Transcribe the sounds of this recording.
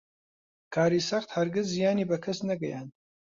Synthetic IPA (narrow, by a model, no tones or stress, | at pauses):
kʰaːɾiːsɐχt̪hɐɾɡɨzːijaːniːbɐkʰɐsnɐɡɐjaːn